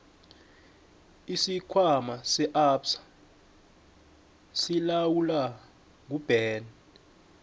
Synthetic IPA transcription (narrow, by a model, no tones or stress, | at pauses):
isikʰwamasɛʔapsḁ | silawula | ŋ̬ub̥ʱɛːnɛ